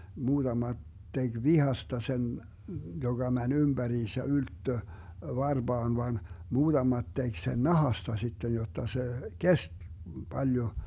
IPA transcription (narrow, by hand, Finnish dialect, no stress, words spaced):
muːd̥ɑmɑt teɡ̊ ʋihɑstɑ sen joɡ̊ɑ mænʲ ymb̥æriːnsæ yltːø ʋɑrb̥ɑːn ʋɑn muːd̥ɑmɑt tek sen nɑhɑstɑ sitːej jotːɑ se kest b̥ɑljo